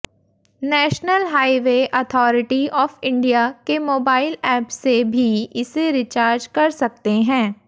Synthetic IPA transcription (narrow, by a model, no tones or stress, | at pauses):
nɛːʃnəlɦaːiʋeʔɐt̪ʰɔːɾɪʈiɔːfɪ̃ɳɖijakemoːbaːɪlɛːpsebʱiɪseɾɪt͡ʃaːɾd͡ʒkɐɾsɐk̚t̪eɦɛ̃ː